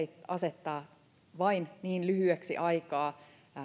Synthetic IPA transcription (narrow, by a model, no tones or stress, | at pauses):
iɑset̪ːɑː | ʋɑinniːnlyhyeksḭʔɑikɑː